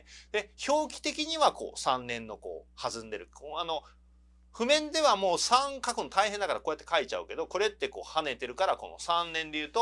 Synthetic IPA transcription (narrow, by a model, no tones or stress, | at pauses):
d̪̥e̞ço̞ːkʲi̥t̪e̞kʲiɲ̟iβako̞̰ːsãnːẽ̞nːo̞ko̞̰ːhazɨ̃nd̪e̞ɾɯ̟oano̞ | ɸɯ̟mẽ̞nd̪e̞βamo̞ːsãŋkakɯ̟not̪aihend̪akaɾako̞ːjat̪ːe̞kait͡ɕaɯ̟ke̞d̪o̞ko̞ɾe̞t̪ːe̞ko̞̰ːhane̞t̪e̞ɾɯ̟kaɾako̞̰no̞̰sãnːẽ̞nd̪e̞jɯ̟ːt̪o